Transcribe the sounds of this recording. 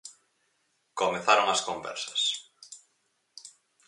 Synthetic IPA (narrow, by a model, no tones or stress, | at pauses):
komeθaɾoŋaskombɛ̰ɾsɐ̥s